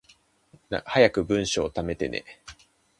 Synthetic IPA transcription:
na̰hajakɯ̟bɯ̟̃ɰ̃ɕoːt̪ame̞t̪e̞ne̞̰

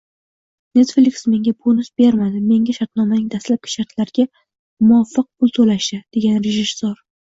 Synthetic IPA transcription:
ne̞t̪flɪksme̞ŋʲabonʊsbe̞ɾmad̪ɪme̞ŋʲaʃaɾt̪nɒmanɪŋd̪aslap̚kʲḁʃaɾt̪ʰlaɾɡʲa | mʊɒfːɨq̚pʰʊlˠt̪ʰolaʃɪd̪̥e̞ɡʲanɾeʒɪsːoɾ

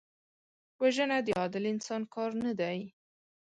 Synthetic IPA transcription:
waʒənad̪əɑd̪ɪlɪnsɑnkɑɾnad̪aj

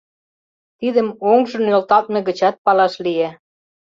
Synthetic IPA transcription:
t̪id̪ə̆moŋʒɤ̆nølt̪ɑlt̪̚meɣə̆t͡ɕɑt̪̚pɑlɑʃlije

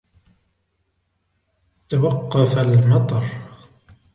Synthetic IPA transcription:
t̪awaqːɑfalmɑt̪ˤɑɾˤ

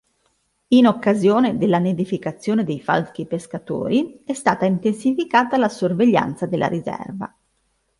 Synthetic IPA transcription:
inokːazjoːned̪elːaned̪ifikat̪sːjoːned̪ejfa̰lkipeskat̪o̰ːɾiɛst̪aːt̪aint̪ensifikaːt̪alasorveʎːa̰nt̪sad̪elːʔa̰ɾizɛ̰rva̰

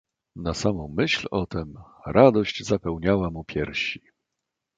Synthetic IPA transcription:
nasamɔ̃w̃mɘɕlɔt̪ɛm | ɾʔad̪ɔɕd͡ʑzapɛwɲawamupʲjɛɾɕi

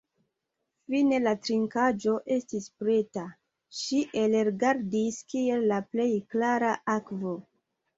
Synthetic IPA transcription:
fine̞latɾiŋkad͡ʒo̞ʔe̞stispɾe̞ta | ʃiʔe̞lɾɡaɾdiskie̞lːaple̞jklaɾaʔakvo̞

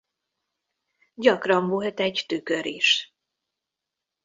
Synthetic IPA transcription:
ɟɒkrɒɱvuɦɛt̪ɛɟt̪ykøɾiʃ

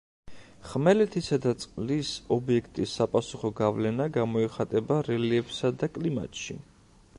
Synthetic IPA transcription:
χmɛlɛt̪ʰisad̪at̪sʼqʼlisɔbiɛkʰt̪ʼisːapʼasuχɔɡavlɛnaɡamɔɛχat̪ʼɛbaɾɛliɛbsad̪akʼlima̰t̪ʼʃḭ

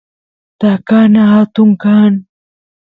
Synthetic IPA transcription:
t̪akaːnaɦat̪uŋkaːn

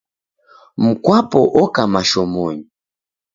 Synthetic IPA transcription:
m̩kwapɔʔɔkamaʃɔmɔɲi

